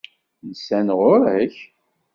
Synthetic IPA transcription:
nsænʁʊɾæç

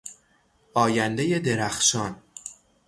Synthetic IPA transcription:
ɒːjænd̪eje̞d̪e̞ɾæxʃɒːn

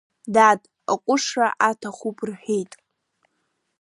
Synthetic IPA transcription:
dadʼ | akʷʼʊʂraʔatʰaχupʰʼrħᶣejtʼ

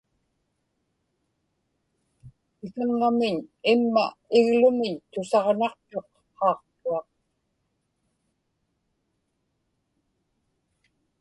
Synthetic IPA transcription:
ɪkaŋːamɪɲɪmːa̰ɪɣlʊmɪɲt̪ʊsɑʁnɑqt̪o̞qː | ɑːqt̪uɑq

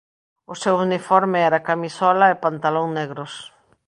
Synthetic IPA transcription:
ʊsewunifɔɾmɪɛɾɐkamisɔlɐɪpant̪alõŋneɣɾʊs

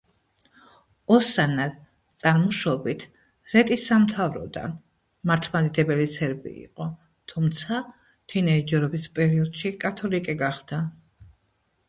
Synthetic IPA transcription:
ɔsana | t̪sʼaɾmɔʃɔbit̪ʰ | z̥ɛt̪ʼisːamt̪ʰavɾɔ̰d̪a̰n | maɾt̪ʰmad̪id̪ɛbɛlit̪sʰɛɾbḭːqʼɔ | t̪ʰumt̪sʰa | t͡ʃ̪ʰinɛid͡ʒɛɾɔbispʼɛɾiɔd̪̥ʃikʼat̪ʰɔlikʼiɡaχd̪̥a

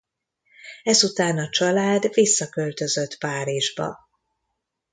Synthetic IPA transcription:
ɛzut̪aːnɒt͡ʃɒlaːd̪visːɒkø̞lt̪ø̞zø̞t̪paːɾiʒbɒ̰

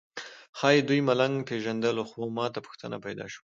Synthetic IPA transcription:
xɑjed̪ujmalaŋɡpeʒand̪əloxomɑt̪apʊ̥xt̪əna̰pajd̪ɑ̰ʃwu

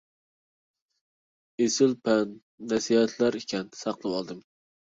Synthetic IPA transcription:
esɪlpʰɛnː | ɛsihɛt̪ʰlæɾikʲʰɛnsɑqlˠɨwɑlˠd̪ɨm

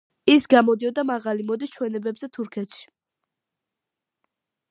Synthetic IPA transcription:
isɡamɔd̪iɔd̪amaʁalimɔd̪ist͡ʃʰwɛnɛbɛbzɛt̪ʰuɾkʰɛt̪ʃi̥

